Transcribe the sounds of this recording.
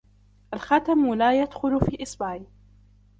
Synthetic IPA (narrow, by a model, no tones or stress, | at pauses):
ʔalxat̪amlaːjad̪xʊlfiːʔɪsbaː